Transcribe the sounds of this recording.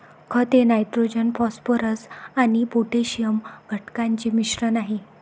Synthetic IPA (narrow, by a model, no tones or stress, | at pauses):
kʰət̪enajʈɾod͡ʑənfɔspoɾəsanipoʈeɕijəmɡʱəʈkãɲt͡ɕiːmiɕɾənaɦi